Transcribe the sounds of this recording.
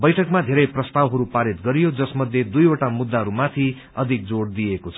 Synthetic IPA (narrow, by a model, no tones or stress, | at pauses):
bʌjʈʰʌkmad̪ʱeɾʌjprʌst̪awɦʌɾupaɾit̪ɡʌɾijod͡zʌsmʌd̪ʱjed̪ujoʈamud̪ːaɦʌɾumat̪ʰi | ʌd̪ʱik̚d͡zoɽd̪ijekot͡sʰʌ